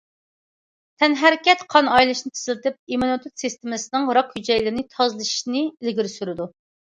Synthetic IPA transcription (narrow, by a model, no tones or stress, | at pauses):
t̪ʰɛnɦæɾɪkʲɛt̪qʰɑnɑjlˠɨʃnɨt̪ʰə̥zlˠɨt̪ɪp̚imonɨt̪ʰut̪sist̪ɪmɪsɪnɨŋɾɑqhyd͡ʒɛjlɪɾɪnɪt̪ʰɑzlˠɨʃi̥ʃnɪɪlɡʲiɾsyɾɪd̪u